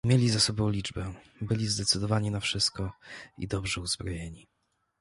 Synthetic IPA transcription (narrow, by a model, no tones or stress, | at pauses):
mʲjelʲizasɔbɔ̃w̃lʲid͡ʐbɛ | bɘlʲizd̪ɛt̪sɘd̪ɔvaɲinafʂɘst̪̚kɔḭd̪ɔbʐɛuzbɾɔjeɲi